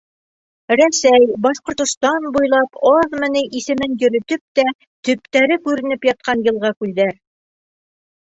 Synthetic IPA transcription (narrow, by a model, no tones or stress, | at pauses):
ɾæsæjbɑʃqŏɾt̪ŏst̪ɑnbujlˠɑpɑðmɘ̆nɘʔisɘ̆mɘnjɵ̆ɾɵ̆t̪ɵp̚t̪æ | t̪ɵ̆p̚t̪æɾɘkʉɾɘ̆nɘpjɑt̪̚qɑnjɤ̆lˠʁɑkʉld̪æɾ